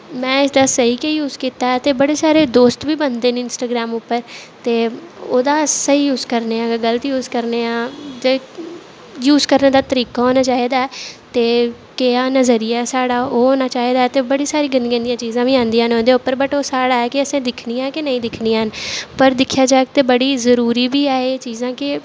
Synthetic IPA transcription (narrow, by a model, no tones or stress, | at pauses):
mɛ̃ːɪsd̪aːsəɦiːkejuːzkiːt̪aːɛt̪eːbəɽeːsaːɾeːd̪oːst̪ʋiːbənd̪eːnɪnsʈaːɡɾaːmʊpːəɾt̪eːoːd̪aːsəɦiːjuːzkəɾneːãːɡəlt̪ːjuːzkəɾneːãːd͡ʒeː | juːzkəɾneːd̪aːt̪əɾiːkaːɦoːnaːt͡ʃaːɦiːd̪aːɛt̪eː | keaːnəzəɾijasaːɽaːoːoːnaːt͡ʃaːɦeːd̪aːɛt̪eːbəɽiːsaːɾiːɡənɡẽnd̪ijãːt͡ʃiːzãːʋiːãːnd̪ijãːɦnoːd̪eːʊpːəɾbəʈoːsaːɽaːɛːkɪəsẽːd̪ɪkʰniãːkɪnəĩːd̪ɪkʰniːãɦənpəɾd̪ɪkʰːjaːd͡ʒaːek̚t̪eːbəɽiːzəɾuːɾiːbiːaːeːt͡ʃiːzãːkɪ